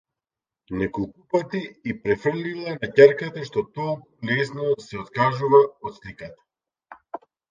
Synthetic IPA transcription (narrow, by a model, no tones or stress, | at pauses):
nɛkɔlˠkupat̪iːpɾɛfr̩lilˠanacaɾkat̪aʃt̪ɔt̪ɔlˠkulɛsnɔasɛɔt̪kaʒuvaɔt̪slikat̪ḁ